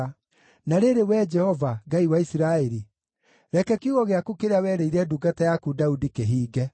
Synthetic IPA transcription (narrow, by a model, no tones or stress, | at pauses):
naɾeɾewɛd͡ʒɛhɔvaɡaiwaisiɾaeɾi | ɾɛkɛkjuɣɔɣeakukeɾeawɛɾeiɾɛduɡatajakudaudikeɦiːɡɛ